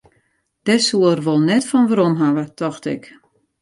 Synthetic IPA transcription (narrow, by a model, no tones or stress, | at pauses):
d̥ɛsuərʋolˠnɛtfɔnʋəɾɔmɦaʋətʰɔxtɪ̰k